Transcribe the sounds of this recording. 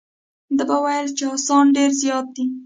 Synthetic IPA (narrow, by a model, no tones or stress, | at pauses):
d̪əbawajəlt͡ʃeɑsɑnɖeɾzjɑt̪̚d̪i